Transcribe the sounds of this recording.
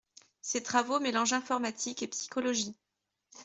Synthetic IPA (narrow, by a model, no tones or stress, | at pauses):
set̪χavomelɑ̃ʒɛ̃fɔʁmat̪ʰikepsi̥kɔlɔʒi